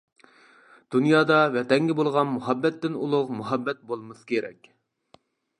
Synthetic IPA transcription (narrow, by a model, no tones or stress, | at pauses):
d̪̥unjɑːd̪ɑvɛt̪ɛŋɡʲɛbolˠʁɑnmuɦɑbːɛt̪ːɪnulˠʊqmuɦɑbːɛt̪̚bolˠmɨskʲʰeɾɛ̰kʲ